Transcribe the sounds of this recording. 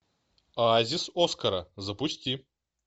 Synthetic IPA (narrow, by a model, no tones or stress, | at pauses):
zʲɪsoskɐɾɐzɐpʊsʲtʲi